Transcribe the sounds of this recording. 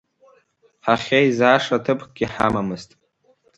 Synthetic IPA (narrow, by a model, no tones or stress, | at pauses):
ħaχʲejzaːʂatʰɨpʰɡ̥ʲiħamamɨztʼ